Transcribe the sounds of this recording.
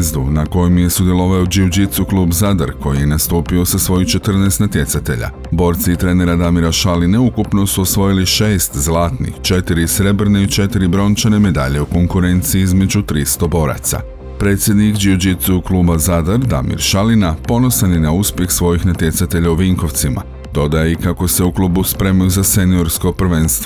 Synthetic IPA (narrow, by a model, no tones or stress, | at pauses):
zd̪unako̞jomje̞sud̪je̞lˠo̞ʋaod͡ʒiud͡ʒit̪suklˠuːbzad̪aɾko̞jijenast̪uːpio̞sasʋo̞jut͡ʃe̞t̪r̩neːst̪nat̪je̞sat̪e̞ʎa̰ | bo̞ːɾt̪siit̪ɾe̞ːne̞ɾad̪amiɾaʃalineukupno̞suosʋo̞jiliʃe̞ːst̪zlaːt̪nḭxt͡ʃe̞t̪iɾisɾe̞br̩ne̞it͡ʃe̞t̪iɾibɾo̞nt͡ʃane̞me̞d̪a̰ʎe̞uko̞ŋkuɾe̞nt̪siiizme̞d͡ʒut̪ɾist̪o̞bo̞ɾa̰t̪sa̰ | pɾe̞ːt̪sje̞d̪nikd͡ʒiud͡ʒit̪uuklˠuːbazad̪aɾd̪a̰mḭɾʃalinapo̞no̞saninauspje̞xsʋo̞jixnat̪je̞t̪sat̪e̞ʎauʋiŋko̞ʋt̪sima̰ | d̪o̞d̪ajeikako̞se̞uklˠuːbuspɾe̞mojuzase̞nio̞ɾsko̞prɾʋe̞nst̪ʋo